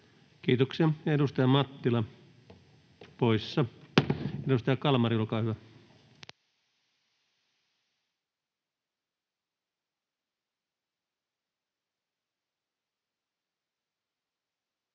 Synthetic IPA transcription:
kiːt̪oksiɑjedust̪ɑjɑmɑt̪ːilɑ | poisːɑ | edust̪ɑjɑkɑlmɑriulkɑːhyʋæ

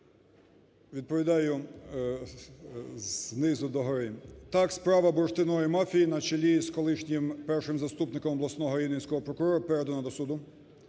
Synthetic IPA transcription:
ʋʲid̪̚pɔʋʲid̪ɑjʊ | znɪzʊd̪ɔɦɔɾɪt̪ɑkspɾɑʋɐbɔɾʃt̪ɪnɔjimafʲijinɐt͡ʃelʲiskɔlˠɪʃnʲimpɛrʃɪmzɐst̪upnɪkɔmɔblˠɐsnɔɦɔinenʲsʲkɔɦɔpɾɔkʊɾɔɾʊpɛɾɛd̪ɔnɐd̪ɔsud̪ʊ

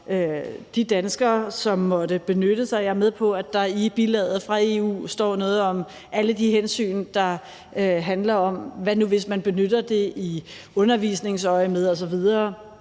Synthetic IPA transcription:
ød̥id̥ænsɡ̥ɐːsɒ̽mːɒ̽d̥əb̥e̝nøɾ̥əsɑ̈ɪæmeð̞ˠpʰɒ̽æd̥ɑ̈ib̥ilɛ̰ð̩ˠfʁɑ̈e̝ṵːsd̥ɒ̰ːnɔ̽ːð̩ˠɒ̽m | æləd̥iɦensy̰ːnd̥ɑ̈ | ɦænlɐɒ̽mʋænuʋe̝s̬mænb̥e̝nød̥ɐd̥e̝ʔi | ɔ̽nɐʋiːsne̝ŋsɒ̽ɪmeð̞ˠɒ̽s̬ɒ̽ʋið̞ˠɐː

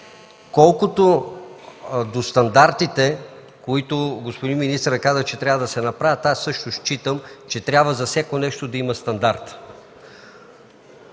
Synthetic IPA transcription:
kɔlˠkot̪o | d̪ost̪ɐnd̪aɾt̪it̪ɛ | koit̪oɡospod̪inminist̪ɾəkazət͡ʃɛt̪ɾʲavəd̪ɐsɛnɐpɾavʲət̪asːɤʃt̪oʃt͡ʃit̪əmt͡ʃɛt̪ɾʲabvəzɐsʲakonɛʃt̪od̪ɐimɐst̪ɐnd̪aɾt̪

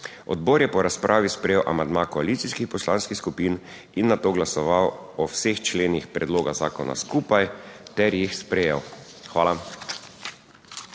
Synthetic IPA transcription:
ɔ̰d̪boɾjɛpɔɾaspɾʔaːʋispɾɛjewʔa̰mand̪makɔalit̪siskixpɔslaːnskixskupiːn | inːat̪oːɡlasɔʋawɔwsext͡ʃleːnixpɾɛd̪loːɡaza̰ːkɔna̰skuːpajt̪ɛɾjixspɾɛjɛw | xʋaːla

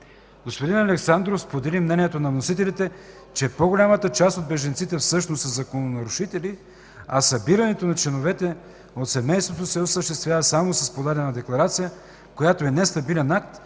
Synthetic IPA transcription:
ɡ̥ospod̪inɐlɛksand̪ɾofspod̪ɛlimnɛnijɛt̪onɐvnosit̪ɛlit̪ɛ | t͡ʃɛpoɡolʲamət̪ət͡ʃast̪od̪̚bɛʒɐnt̪sit̪ɛfsɤʃnosɐzɐkononɐɾʊʃit̪ɛli | ɐsɐbiɾɐnɛt̪onɐt͡ʃlɛnovɛt̪ɛ | ot̪sɛmɛjst̪vot̪osɛosəʃt̪ɛst̪vʲjavɐsamosɐspod̪alʲɛnɐd̪ɛklˠɐɾat̪sijə | kojat̪oɛnɛst̪ɐbilʲɛnak̚t̪

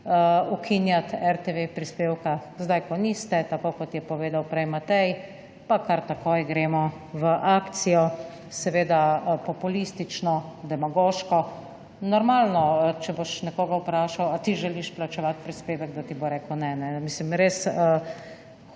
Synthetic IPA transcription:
əukʰinjat̪ɛɾt̪eʋepɾispeːwkazd̪ajkɔnist̪ɛt̪akokɔt̪jɛpɔʋeːd̪awpɾɛjmat̪ɛj | pakaɾt̪akoːjɡɾeːmɔ | ʋəʔaːkt̪sijɔ | sɛʋeːd̪apɔpulist̪it͡ʃnɔd̪ɛmaɡoːʃkɔ | nɔɾmaːlnɔt͡ʃɛboʃnɛkoːɡawpɾaːʃawat̪iʒɛliʃplat͡ʃɛʋat̪̚pɾispeːʋɛɡd̪at̪iboɾeːkəwnɛnɛmislimɾesə

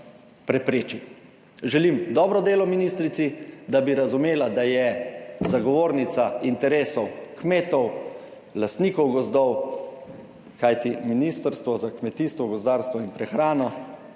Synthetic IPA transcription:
pɾɛpɾeːt͡ʃi | ʒɛlimd̪ɔːbɾɔd̪eːlɔminist̪ɾit̪sid̪abiɾazumeːlad̪ajɛzaɡɔʋoːɾnit̪saint̪ɛɾeːsɔwkmeːt̪ɔw | last̪niːkɔwɡɔzd̪ɔw | kajt̪iminist̪əɾst̪ʋɔzakmɛt̪iːst̪ʋɔɡɔzd̪aːɾst̪ʋɔinpɾɛxɾaːnɔ

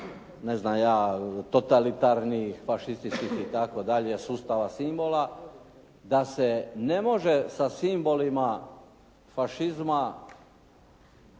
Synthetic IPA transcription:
ne̞znamjaːt̪ot̪alit̪aɾnifaʃist̪it͡ʃkikit̪akod̪aʎesuːst̪aʋasimbo̞la | d̪asene̞mo̞ʒesasimbo̞lima | faʃizma

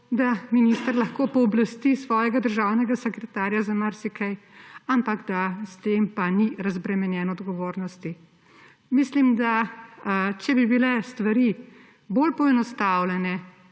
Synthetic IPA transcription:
d̪aminist̪əɾlaxkoːpɔːblast̪isʋɔːjɛɡad̪əɾʒaːwnɛɡasɛkɾɛt̪aːɾjazamaɾsikʰɛjampaɡd̪ast̪eːmpaniɾazbɾɛmɛnjɛːnɔːd̪ɡɔʋoːɾnɔst̪i | mislimd̪a | t͡ʃɛbibilɛst̪ʋaɾi | bolpɔɛnɔst̪awlɛnɛ

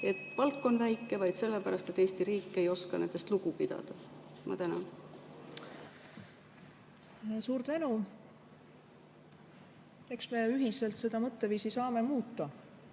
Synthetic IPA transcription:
e̞t̪pɑlkːˑo̞nvæjkːˑe̞vɑjd̪se̞lːepæɾɑst̪e̞t̪ːe̞ːst̪iɾiːkːe̞jo̞skɑne̞nd̪̥e̞st̪luɡ̥upid̪̥ɑ̰d̪̥ɑmʔɑ̰t̪ænɑn | suːɾt̪ve̞nu | e̞ksme̞yɦise̞lt̪se̞d̪̥ɑmɤt̪ːeviːsisɑːme̞muːt̪ːˑɑ

